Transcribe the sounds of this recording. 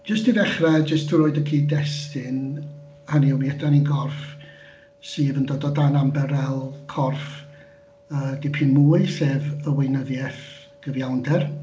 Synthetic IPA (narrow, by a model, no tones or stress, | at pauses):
d͡ʒəstiðɛχrɛd͡ʒəstʰuɾoɨdəkʰiːdɛstɪn | həniuwmiɛdaninɡɔrf | siːvəndɔdɔdanambɛɾɛlˠkʰɔrf | əːdɪpʰɪnmuːɨseːvəwɪnəðjɛθ | ɡ̥əvjawndɛr